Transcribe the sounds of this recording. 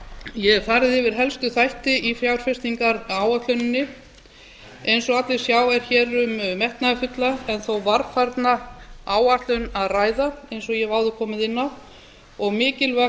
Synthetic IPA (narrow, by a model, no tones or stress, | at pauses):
jɛθaɾðɪɪvɪɾ̥ɦɛlst̪ʏθajht̪ɪifɾjawɾ̥fɪst̪iŋkaɾaːwat̪lʏnɪnːɪ | ejnsɔɣat̪lɪ̥sjaːwvɛɾ̥çɛːɾʏmːɛht̪nafʏt̪laɛnθowvaɾfaɾt̪naaːwaht̪lʏnaðraːjðaejnsɔɣjɛvaːwðʏkʰɔːmɪðɪnːa | ɔɣmɪːcɪlvɛ